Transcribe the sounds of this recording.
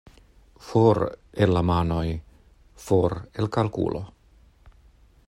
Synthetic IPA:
foɾelamanoj | foɾelkalkṵːlo

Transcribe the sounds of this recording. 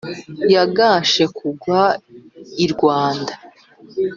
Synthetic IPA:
jaɡaːʃe̞kʰuɡwa | iɾɡwaːnda

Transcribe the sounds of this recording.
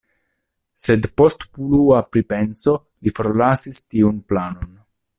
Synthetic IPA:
se̞dpo̞stpuluapɾipe̞nso̞ | lifoɾlasistiunplano̞n

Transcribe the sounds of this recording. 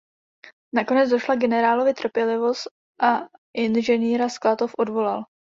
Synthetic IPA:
nako̞nɛd͡zdoʃlaɡɛnɛɾaːlo̞vɪt̪r̩pjɛlɪvo̞st̪̚ | ʔaʔɪnʒɛniːɾasklat̪ofʔo̞dvo̞lal

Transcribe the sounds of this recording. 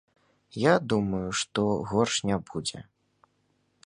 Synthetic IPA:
jad̪umɐjuʂt̪ɔɣɔrʂnʲabud͡zʲɛ̰

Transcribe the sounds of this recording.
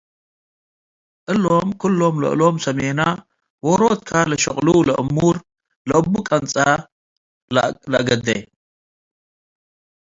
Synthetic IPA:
ʔɨlːo̞mkʰɨlːo̞mlɐ̰ʔɨ̰lo̞msɐmena | woɾot̪̚kʰalɐʃɐχʼlulɐʔɨmːuɾ | lɐʔɨbːukʼɐnt͡sʼa | llɐɡɐd̪ːɐ̰

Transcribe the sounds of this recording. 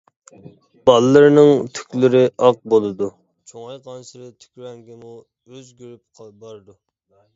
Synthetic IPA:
b̥ɑlˠɨːɨɾnɨŋt̪ʰy̥kʲlɪɾɪʔɑq̚bolˠɨd̪u | t͡ʃʰoŋɑjqʰɑnsɨɾɨt̪ʰy̥kʲɾɛŋɡʲɪmu | øzɡʲyɾyp̚qʰbɑɾɨd̪u

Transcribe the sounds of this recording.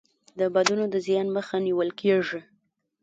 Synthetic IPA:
d̪əbad̪unod̪əzjɑnməxaniwəlkʰeʐi

